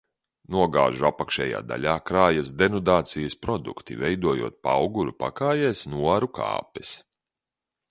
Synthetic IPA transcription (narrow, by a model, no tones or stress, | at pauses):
nuɔɡa̰ːʒuapakʃɛːja̰ːd̪a̰lʲaːkɾaːjɐsd̪ɛnɔd̪aːt̪sijɐspɾɔd̪ṵkt̪ḭvɛjd̪uɔjṵɔːt̪̚paawɡuɾupa̰kaːjɛːsnuaɾuka̰ːpɛs